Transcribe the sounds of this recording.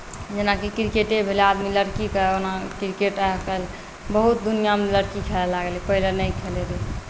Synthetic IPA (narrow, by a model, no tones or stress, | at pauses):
d͡ʒenakikɾikeʈebʱelead̪miləɾkikəonakɾikeʈakəl | bəɦut̪̚d̪unijameləɾkikʰelɛlaɡelipəɦilenəjkʰeleli